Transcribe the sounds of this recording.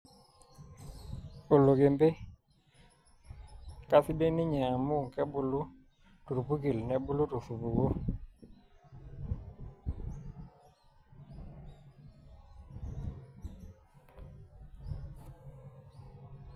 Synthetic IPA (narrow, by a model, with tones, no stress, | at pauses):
o˨lo˨ɡe˨mbe˦ | ka˦si˦be˦ni˦ɲa˨mu˦˨ŋkɛ˦bu˨lu˦ | tu˨ɾu˨pu˦ki˨lnɛ˨bu˦lu˦tu˨su˨bu˨ɡo˦